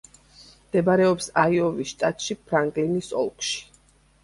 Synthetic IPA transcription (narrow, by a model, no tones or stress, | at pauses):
md̪̥ɛbɾɛɔpsaiɔvisʃt̪ʼat̪ʼʃipʰɾaŋɡlinisɔ̰lˠkʰʼʃi̥